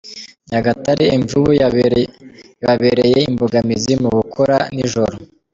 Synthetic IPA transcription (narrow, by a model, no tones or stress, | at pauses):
ɲaɡataɾiiɱvuβu | βaβeɾeje̞imboɡamizimuɡukʰoɾaniʒo̞ɾo